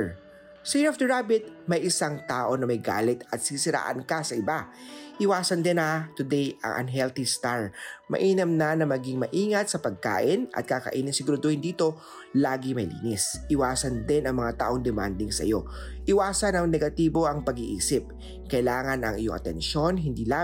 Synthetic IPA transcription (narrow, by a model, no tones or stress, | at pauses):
sɐjɛɐfd̪ɐɹabɪt̪̚mɐjɪsaŋt̪aːʔo̞nɐmɐjɡa̰ːlɪt̪ɐt̪̚sisɪɾa̰ːʔɐ̰nkɐsɐʔɪbaʔɪwaːsɐnd̪ɛnɐt̪ʊd̪ɛjɐ̰ŋʔɐ̰nɦɛlt̪ist̪aɹmɐ̰ʔiːnɐmnɐnɐmɐɡiŋmɐʔiːŋɐt̪̚sɐpɐɡ̚ka̰ːʔɪnɐ̰t̪̚kakɐ̰ʔiːnɪŋsɪɡɾod̪ʊːhɪnd̪iːt̪o̞ | laːɡɪmɐjlḭːnɪsʔɪwaːsɐnd̪ɪnɐŋmɐŋat̪a̰ːʔo̞ŋd̪ɛma̰nd̪ɪŋsɐ̰jo̞ | ʔɪwaːsɐnɐŋnɛɡɐt̪iːbo̞ʔɐŋpɐɡiʔḭːsɪp̚ | kɐɪlaːŋɐnɐ̰ŋʔɪ̰joŋʔɐ̰t̪ɛ̰nʃo̞nɦɪnd̪iːla